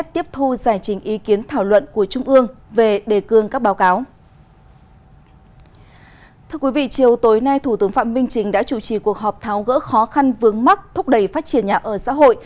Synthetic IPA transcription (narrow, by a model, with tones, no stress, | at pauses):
t̚t̪i˦˥əp̚t̪ʰu˧zaː˧˩jt͡ɕï˨˦ŋ̟ʔi˨˦ki˨˦ənt̪ʰaː˧˩wlwə̰˧˨nku˧˩ət͡ɕʊ˧ŋ͡mʔɨ˧əŋve˨˩ɗe˨˩kɨ˨˩əŋkaː˦˥k̚ɓaː˨˦wkaː˨˦w | t̪ʰɨ˧əkwi˨˦vḭ˧˨t͡ɕi˨˩əwt̪o˨˦jna˧jt̪ʰu˧˩t̪ɨ˨˦əŋfa̰ː˧˨mï˧ŋ̟t͡ɕï˨˦ŋ̟ɗa̰ː˧˥t͡ɕu˧˩t͡ɕi˨˩ku˨˩ək̚ɦɔ˨˩p̚t̪ʰaː˨˦wɣə̰ː˧˥xɔ˨˦xa˧nvɨ˨˦əŋma˦˥k̚t̪ʰʊ˦˥k͡p̚ɗə˧˩jfaː˦˥t̚t͡ɕi˧˩ənɲaː˨˩ʔəː˧˩sa̰ː˧˥ɦo̰˧˨jʔ